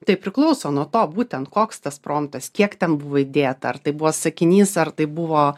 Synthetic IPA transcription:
t̪ɐɪpʲɾʲɪklˠɐʊsoːnuɔt̪oːbuːt̪ʲɛnt̪koːkst̪ɐspɾoːmt̪ɐskʲiɛkt̪ʲɛnbʊʋoːɪd̪ʲeːt̪ɐɐrt̪ɐɪbuʋɔːsɐkʲɪnʲiːsɐrt̪ɐɪbuʋoː

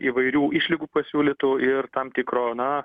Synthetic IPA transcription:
iːʋɐɪɾʲuːʔiʃʲlʲɪɡuːpɐsʲuːlʲɪt̪ʊɪrt̪ɐmt̪ʲɪkɾoːnɐ

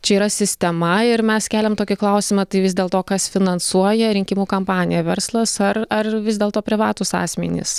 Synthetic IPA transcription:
t͡ʃʲɛiːɾɐsʲɪsʲt̪ʲɛmɐɪɾmʲɛskʲæːlʲɛmt̪oːkʲɪklˠɐʊsʲɪmɐt̪ɐɪʋʲɪzd̪ʲeːlˠt̪oːkɐsfʲɪnɐnsuɔjɛɾʲɪŋʲkʲɪmuːkɐmpɑːnʲɪjɛʋʲɛɾslˠɐsɐrɐrʋʲɪzd̪ʲeːlˠt̪oːpʲɾʲɪʋɑːt̪ʊsɑ̰ːsʲmʲɪ̰nʲɪ̰s

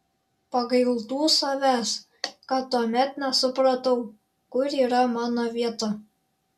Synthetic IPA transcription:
pɑɣɤj̆lˠt̪usɑβæs | kɑt̪uɑmʲæt̪næsuprɑt̪ɤw | kuɾʲiɾɑmɑnovʲet̪ɑ

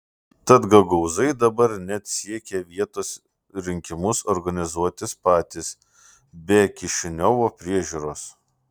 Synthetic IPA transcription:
t̪ɐt̪ɡɐɡɐʊzɐɪd̪ɐbɐɾnʲɛt̪sʲiɛkʲɛʋʲiɛt̪oːs | ɾʲɪŋʲkʲɪmʊsoːɾɡɐnʲɪzuɔt̪ʲɪspɑːt̪ʲɪs | bʲɛkʲɪʃʲɪnʲoːʋoːpʲɾʲiɛʒʲuːɾoːs

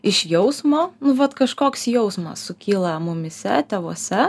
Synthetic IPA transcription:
ɪʃjɛʊsmoːnʊʋɐt̪kɐʃkoːksjɛʊsmɐ̰ssʊkʲiːlˠɐmʊmʲɪsʲɛ̰t̪ʲeːʋoɔsʲɛ

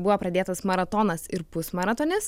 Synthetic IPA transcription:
bʊʋoːpɾɐd̪ʲeːt̪ɐsmɐɾɐt̪oːnɐsɪɾpʊsmɐɾɐt̪oːnʲɪs

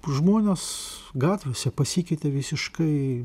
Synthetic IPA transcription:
ʒmoːnʲes | ɡɑːt̪ʲʋʲoːsʲɛpɐsʲiːkʲɛɪt̪ʲeʋʲɪsʲɪʃkɐɪ

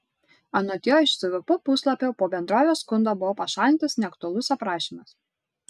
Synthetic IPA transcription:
ɐnoːt̪ʲijoːɪʃsʊʋʲɪpʊpʊslˠɐpʲoːpoːbʲɛnd̪ɾoːʋʲoːskʊnd̪oːbʊʋɔpɐʃɑːlʲɪnt̪ɐsnʲɛɐkt̪ʊɐlˠʊsɐpɾɑːʃʲiːmɐs

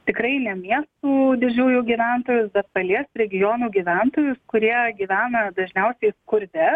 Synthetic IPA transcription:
t̪ʲɪkɾɐɪnʲɛmʲiɛst̪uːd̪ʲɪd͡ʒʲuːjuːɡʲiːʋʲɛnt̪oːjʊsbʲɛt̪̚pɐlʲiɛsɾʲɛɡʲɪjoːnuːɡʲiːʋʲɛnt̪oːjʊskʊɾʲiɛɡʲiːʋʲæːnɐd̪ɐʒʲnʲɛʊsʲɛɪskʊɾʲd̪ʲɛ

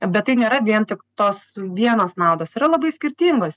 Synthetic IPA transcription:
bʲɛt̪t̪ːɐɪnʲeːɾɐʋʲiɛnt̪ʲɪkt̪oːsʋʲiɛnoːsnɑʊd̪oːsiːɾɐlˠɐbɐɪsʲkʲɪɾʲt̪ʲiŋɡoːs

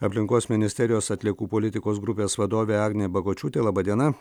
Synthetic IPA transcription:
ɐpʲlʲɪŋkoːsmʲɪnʲɪsʲt̪ʲɛɾʲɪjoːsɐt̪ʲlʲiɛkuːpolʲɪt̪ʲɪkoːsɡɾʊpʲeːsʋɐd̪oːʋʲeːɑːɡnʲebɐɡoːt͡ʃʲuːt̪ʲeːlˠɑːbɐd̪ʲiɛnɐ

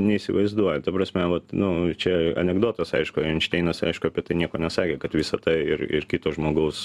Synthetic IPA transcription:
nʲɛiːsʲɪʋɐɪzd̪uɔjɛt̪ɐpɾɐsʲmʲɛʋɐt̪nʊt͡ʃʲɛɐ̰nʲɛɡd̪oːt̪ɐsɐ̰ɪʃkʊnʃʲt̪ʲɛɪnɐsʲɪɐɪʃkʊɐpʲiɛt̪ɐɪnʲiɛkoːnʲɛsɑːkʲeːkɐt̪ʋʲɪsɐt̪ɐɪɪ̰ɾɪ̰rkʲit̪oːʒmoːɡɐʊs

